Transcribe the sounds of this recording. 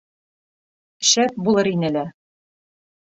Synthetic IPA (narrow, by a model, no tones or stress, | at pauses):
ʃæp̚bulˠɤɾinɘ̆læ